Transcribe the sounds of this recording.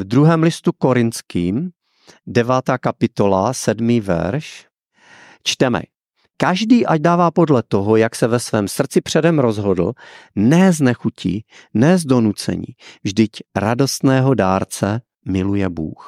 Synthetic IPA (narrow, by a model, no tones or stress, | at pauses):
vd̪ɾuɦɛːmlɪst̪uko̞ɾɪnt͡skiːm | dɛvaːt̪aːkapɪt̪o̞lasɛdmiːvɛ̰ɾʃ | t͡ʃt̪ɛmɛ̰ | kaʒdiːʔaɟdaːvaːpo̞dlɛt̪o̞ɦojaksɛvɛsvɛːmsr̩t͡sɪpr̝̥ɛdɛmɾo̞zɦo̞dl̩nɛznɛxucʰḭnɛzdo̞nut͡sɛ̰ɲḭːvʒdɪcɾado̞st̪nɛːɦo̞daːɾt͡sɛ | mɪlujɛbṵːx